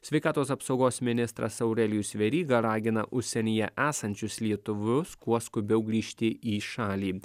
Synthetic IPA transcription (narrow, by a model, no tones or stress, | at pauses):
sʲʋʲɛɪkɑːt̪oːsɐpsɒʊɡoːsmʲɪnʲɪst̪ɾɐ̰sɐʊɾʲɛlʲjusʲʋʲɛɾʲiːɡɐɾɑːɡʲɪnɐʔʊʃʲsʲɛnʲiːjɛʔæːsɐnʲt͡ʃʲʊslʲiɛt̪ʊʋʊskuɔskʊbʲɛʊɡɾʲiːʃʲt̪ʲɪʔiːʃɑːlʲiː